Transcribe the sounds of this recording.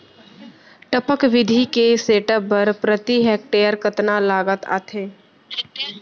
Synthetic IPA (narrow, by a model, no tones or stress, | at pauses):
ʈəpəkʋɪd̪ʱikeseːʈəpːəɾpɾət̪iɦɛk̚ʈeːjəɾkət̪nalaːɡət̪a̰ːt̪ʰeː